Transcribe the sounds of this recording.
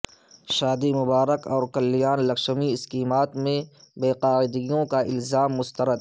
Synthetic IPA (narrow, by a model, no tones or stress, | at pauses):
ʃaːd̪imʊbaːɾəkɔːɾkɐlːɪjaːnlɐkʃmiɪskiːmaːt̪mẽbeːqaːɪd̪ɪjõkaʔɪlzaːmːʊst̪əɾəd̪